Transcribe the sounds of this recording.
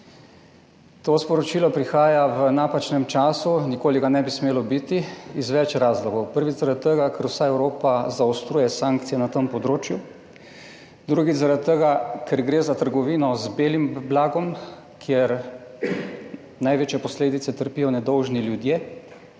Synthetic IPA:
t̪ospɔɾɔt͡ʃiːlɔpɾixaːjaʋənaːpat͡ʃnɛmt͡ʃaːsunikoːliɡanɛbismeːlɔbit̪iizʋɛt͡ʃɾaːzlɔɡɔwpəɾʋit̪zaɾad̪t̪̚t̪ːəɡakʰɛɾwsaɛwɾoːpazaɔst̪ɾuːjɛsaːŋk̚t̪sijɛnat̪əmpɔd̪ɾoːt͡ʃju | d̪ɾuɡit̪t͡s̪zaɾat̪̚t̪ːəɡakʰɛɾɡɾeːzat̪əɾɡɔʋiːnɔzbeːlimblaːɡɔm | kʰjɛɾ | najʋeːt͡ʃjɛpɔsleːd̪it̪sɛt̪əɾpijɔnɛd̪ɔwʒniljud̪jeː

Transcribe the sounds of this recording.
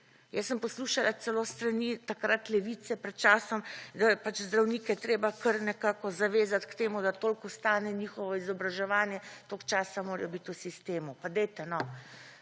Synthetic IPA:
jɛsːəmpɔsluːʃalat̪sɛloːst̪ɾanit̪akɾat̪lɛʋiːt̪sɛpɾɛt̪̚t͡ʃaːsɔmd̪apat͡ʃzd̪ɾawniːkɛjɛt̪ɾeːbakəɾnɛkaːkɔzaʋeːzat̪kt̪eːmud̪at̪oːlkɔst̪aːnɛniːxɔʋɔizɔbɾaʒɛʋaːnjɛt̪okt͡ʃaːsamoːɾɛjɔbit̪usist̪eːmupad̪ɛjt̪ɛnɔ

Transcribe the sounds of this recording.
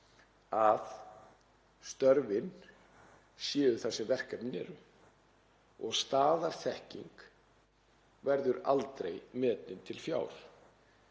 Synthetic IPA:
að | st̪œɾvɪn | sjɛːðʏθasɛmvɛr̥kɛpnɛ̰ɾʏ | ɔɣst̪aːðaɾ̥θɛhcḭŋk | vɛɾðʏɾa̰lt̪ɾejmɛːt̪lɪnt̪ʰɪlfja̰ːwl̥

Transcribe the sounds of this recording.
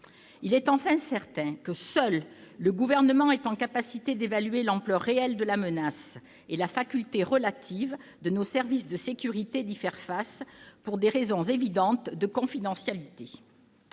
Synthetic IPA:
ilɛt̪ɑ̃fɛ̃sɛʁt̪ɛ̃kəsœlːəɡuvɛʁnəmɑ̃ɛt̪ɑ̃kapasit̪ed̪evalɥelɑ̃plœʁːeɛld̪əlamənas | elafakʲylt̪eʁəlat̪ʰivd̪ənosɛʁvisd̪əsekʲyʁit̪ed̪ifɛʁfaspuʁd̪eʁezɔ̃zevid̪ɑ̃t̪d̪əkɔ̃fid̪ɑ̃sjalit̪e

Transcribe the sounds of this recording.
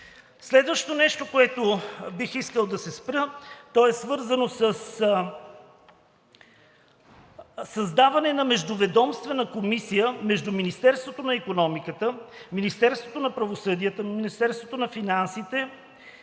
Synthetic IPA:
slɛd̪vəʃt̪onɛʃt̪okoɛt̪obixiskəlˠd̪ɐsɛspɾət̪ɔɛsvɤɾzənosəs | sɐzd̪avɐnɛnɐmɛʒd̪ʊvɛd̪ɔmst̪vɛnəkomisijəmɛʒd̪ʊminist̪ɛɾst̪vot̪onɐikonɔmikət̪əminist̪ɛɾst̪vot̪onɐpɾɐvosɤd̪iət̪əminist̪ɛɾst̪vot̪onɐfinansit̪ɛ

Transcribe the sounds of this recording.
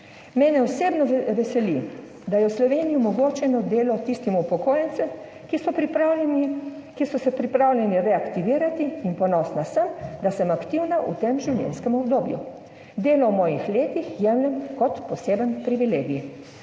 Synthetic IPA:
mɛːnɛɔseːbnɔʋɛsɛli | d̪ajɛwslɔʋeːnijiɔmɔɡoːt͡ʃɛnɔd̪eːlɔt̪ist̪imuupɔkoːjɛnt̪sɛm | kisɔ | kisɔsɛpɾipɾaːwlʲɛniɾɛakt̪iʋiːɾat̪iːnpɔnɔːsnasəmd̪asəmakt̪iwnaʔṵt̪eːmʒiwlʲjɛ̰nskɛmɔbd̪oːbjṵ | d̪eːlɔwmɔːjixleːt̪ixjɛmlʲɛmkɔt̪pɔseːbənpɾiʋileːɡji

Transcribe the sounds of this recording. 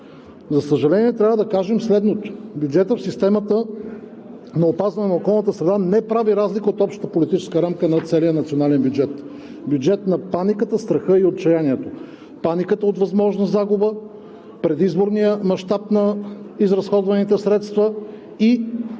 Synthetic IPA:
zɐsəʒɐlɛniɛt̪ɾʲavəd̪ɐkaʒɛmslɛd̪not̪o̥bʲjud͡ʒɛt̪əfsist̪ɛmət̪ə | nɐopazvɐnɛnəokɔlˠnət̪əsɾɛd̪anɛpɾaviɾazlikəot̪ɔpʃt̪ət̪əpolit̪it͡ʃɛ̥skəɾamkənɐt̪sɛlijənɐt̪sionalɛnbjud͡ʒɛt̪ | bʲjud͡ʒɛt̪nɐpanikət̪əst̪ɾɐxɤiot̪̚t͡ʃɐjaniɛt̪o | panikət̪əot̪vɐzmɔʒnɐzaɡubə | pɾɛd̪izboɾnijəmɐʃt̪apnɐizɾɐsxɔd̪vɐnit̪ɛsɾɛt̪st̪və | i

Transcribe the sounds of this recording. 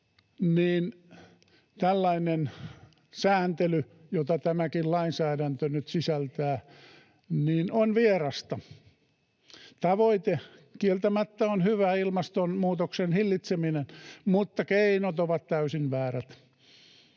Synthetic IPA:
niːn | t̪ælːɑinen | sæːnt̪ely | jot̪ɑt̪æmækillɑinsæːɾænt̪ønyt̪sisælt̪æː | niːnonʋierɑst̪ɑ | t̪ɑʋoit̪e | kielt̪æmæt̪ːæonhyʋæilmɑst̪onmuːt̪oksenhilːit̪seminenmut̪ːɑkeinot̪oʋɑt̪t̪æysinʋæːræt̪

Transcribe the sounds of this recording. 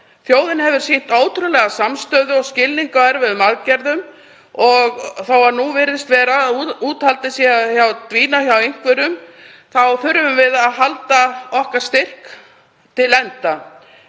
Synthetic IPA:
θjoːwðɪnhɛvʏɾ̥sen̥t̪aːwt̪ʰɾʏlɛɣasamst̪œːðʏɔɣscɪlːiŋkaɛɾvɪðmaðcɛɾðʏm | ɔɣθawaɾnuvɪɾðɪst̪vɛːɾauːt̪halt̪ɪsjɛaçjawt̪viːnaçjawejŋ̥kvœɾʏm | θawθʏɾvʏmvɪðaðɦalt̪aɔhkaɾ̥st̪ɪr̥k | t̪ʰɪlɛnt̪a

